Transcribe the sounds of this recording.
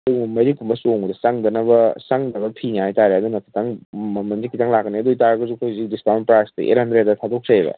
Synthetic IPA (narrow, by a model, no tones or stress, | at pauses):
duɡmɐmeɾik̚pumbɐsoŋudɐsaŋdɐnɐbɐsaŋdɐbɐpʰinihajtaɾeɐd̪unɐkʰi̥tʰaŋmɐmɐnzikʰitaŋlakːɐniɐdojtaɾɐɡɐzukʰojhuzik̚dispawmnpɾastɐ̰ʔḛt̚hɐndɾed̚ɐtʰadok̚sejbɐ̰